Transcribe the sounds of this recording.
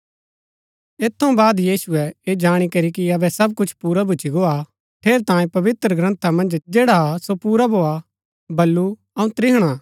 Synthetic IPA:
eːt̪ʰːɐũbaːd̪jiːsʊɛeːd͡ʒaːɽ̃ikɐɾikiɐbɛsɐbkʊt͡ʃʰpuːɾabʱʊt͡ʃiɡoa | ʈ̪ʰeːɾt̪ãːjẽpɐʋɪt̪ɾəɡɾɐ̃nt̪ʰamɐ̃nd͡ʒd͡ʒeːɽasopuːɾabʱoːa | bɐlːu | ɐũt̪ɾɪɦɽ̃a

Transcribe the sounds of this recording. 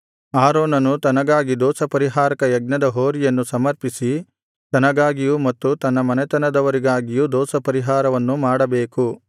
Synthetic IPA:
aːɾoːnɐnut̪ɐnɐɡaːɡid̪ɔːsɐpɐɾiɦaːɾɐkɐjɐɡ̚nɐd̪ɐɦoːɾijɐnːusɐmɐɾpisi | t̪ɐnɐɡaːɡijumɐt̪ːut̪ɐnːɐmɐnɛt̪ɐnɐd̪ɐʋɐɾiɡaːɡijud̪ɔːsɐpɐɾiɦaːɾɐʋɐnːumaːɽɐbeːku

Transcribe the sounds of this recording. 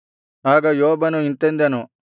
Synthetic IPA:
aːɡɐjoːbɐnuint̪end̪ɐnu

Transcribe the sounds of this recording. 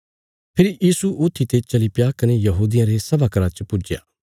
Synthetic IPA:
pʰɪɾijiːsuʔʊt̪ʰːit̪et͡ʃɐlipjakɐnejɐɦuːd̪ijãɾesɐbaːkɐɾãt͡ʃpʊd͡ʒja̰ː

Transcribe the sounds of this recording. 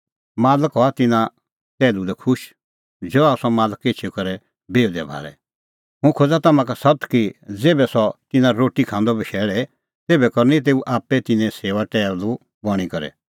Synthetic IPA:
maːləkɦɔat̪ɪnã | tɛːlulɛkʰʊʃ | d͡ʒɔasɔmaːləkːet͡ʃʰikɐɾɛ | beːd̪ɛbʱa̰ːɾɛ̰ | ɦʊ̃kʰoːd͡zat̪ɐmãkasɐt̪kid͡zeːbɛsɔt̪ɪnãɾoːʈikʰãːnd̪ɔbɐʃʰɛːɭɛ | t̪eːbɛkɔɾnĩt̪̬eːuʔaːpːɛt̪ɪnɛ̃seːʋaʈɛːllu | bɔɽ̃ikɐɾɛ̰

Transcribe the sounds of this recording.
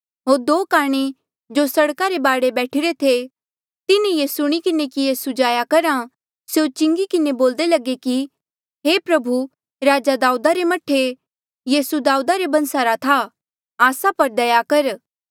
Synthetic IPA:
ɦoːɾd̪oːkaːɽ̃i | d͡ʒoːsɐɽkaɾebaːɽebɛːʈʰɪɾet̪ʰe | t̪ɪnijesʊɽ̃ikɪnekijeːsud͡ʒaːjakɐɾa | seot͡ʃɪ̃ŋɡikɪneboːld̪elɐɡeki | ɦeːpɾɐbʱu | ɾaːd͡ʒad̪aːuːd̪aɾemɐʈʰːe | jiːsud̪aːuːd̪aɾebɐ̃nsaɾat̪ʰa | aːsapɐɾd̪ɐjakɐɾ

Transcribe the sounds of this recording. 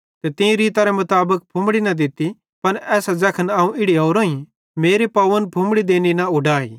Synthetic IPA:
t̪et̪ɪ̃ĩɾiːt̪aɾɛmʊt̪aːbək̚pʰʊ̃mɽinɐd̪ɪt̪ːi | pɐnɛːsad͡zɐːkʰənaːũɪɽioːɾoːĩ | meːɾepɐʋənpʰʊ̃mɽid̪eːninaʊɖaːḭː

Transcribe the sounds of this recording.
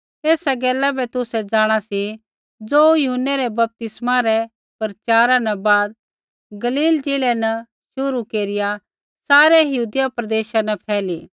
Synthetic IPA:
eːsaɡɛːlabɛt̪ʊsɛd͡zaːɽ̃asi | d͡zoːjʊɦənːeɾɛbɐp̚t̪ɪsmaɾɛ | pɐɾt͡ʃaːɾãnɛbaːd̪̚ | ɡɐliːld͡ʒɪːlɛnɐ | ʃʊɾukeːɾɪja | saːɾɛjɐɦuːd̪ɪjapɾɐd̪eːʃanɛpʰɛːli

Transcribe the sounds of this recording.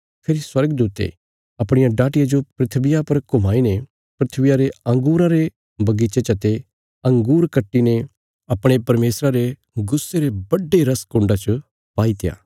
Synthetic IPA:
pʰeːɾiswɐɾɡəd̪uːt̪ḛ | ɐpɽ̃ɪjãɖaːʈɪjad͡ʒopɾɪt̪ʰbɪjapɐɾkʊmaːine | pɾɪt̪ʰbɪjaɾeɐ̃ŋɡuːɾãɾe | bɐɡit͡ʃet͡ʃɐt̪e | ɐ̃ŋɡuːɾkɐʈːine | ɐpɽ̃epɐɾmeːsɾaɾe | ɡʊsːeɾebɐɖːeɾɐskʊ̃ːɳɖat͡ʃɐ | paːit̪ɪja̰ː

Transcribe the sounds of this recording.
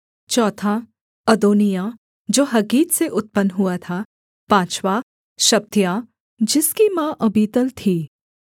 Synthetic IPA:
t͡ʃɔːt̪ʰa | ɐd̪oːnija | d͡ʒoːɦɐɡiːt̪seʔʊt̪̚pənɦʊat̪ʰa | pãːt͡ʃwaː | ʃɐb̚t̪ijaː | d͡ʒɪskimãʔɐbiːt̪əlt̪ʰiː

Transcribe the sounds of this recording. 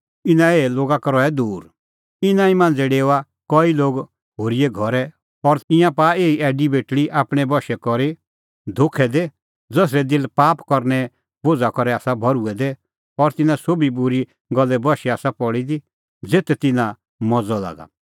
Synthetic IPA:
ɪnãeːloːɡakɾɔɛd̪uːɾ | ɪnãimãːnd͡zɛɖeːwa | kɔiloːɡ | ɦoːɾiɛɡʱɔɾɛ | ɔɾɪ̃jãpaeːiʔɛːɖibeːʈɽiʔaːpɽ̃ɛbɔʃɛkɔɾi | d̪ʱokʰɛd̪ɛ | d͡zɔs̬ɾɛd̪ɪlpaːpkɔɾnɛ | bod͡zakɔɾɛaːsabʱɔɾuɛd̪ɛ | ɔɾt̪ɪnãsobibʊɾi | ɡɔlːɛbɔʃɛaːsapɔɽid̪i | d͡zeːt̪ɛt̪ɪnã | mɔd͡zɔla̰ːɡa̰

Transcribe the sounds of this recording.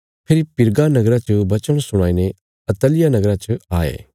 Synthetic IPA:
pʰɪɾipɪɾɡanɐɡɾãt͡ʃəbɐt͡ʃəɽ̃sʊɽ̃aːine | ɐt̪əlɪjanɐɡɾãt͡ʃɐaːḛː

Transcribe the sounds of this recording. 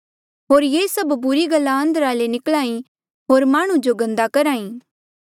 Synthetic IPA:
ɦoːɾjeːsɐbbʊɾiɡɐlːaɐ̃nd̪əɾaːlenɪkɭaːĩ | ɦoːɾmaːɽ̃ũd͡ʒoɡɐ̃nd̪akɐɾaːĩː

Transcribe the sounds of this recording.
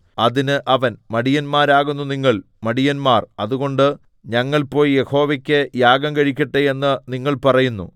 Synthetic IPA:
ɐðinɨʔɐʋɐnmɐɽijɐnmaːɾaːɣunːuniŋːɐɭ | mɐɽijɐnmaːrɐðuɣo̞ɳɖɨ | ɲɐŋːɐɭpo̞ːjje̞ho̞ːʋɐkʲːɨjaːɡɐmkɐɻik̬ʲːɐʈːee̞nːɨniŋːɐɭpɐrɐjunːṵ

